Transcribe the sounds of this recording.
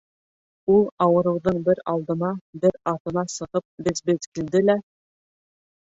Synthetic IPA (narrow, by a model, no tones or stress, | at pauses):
ulˠɑwɤ̆ɾɤ̆wðɤɴbɘɾɑlˠd̪ɤ̆nɑbɘɾɑt̪ɤ̆nɑsɤ̆ʁɤp̚bɘzbɘzkild̪ɘlæ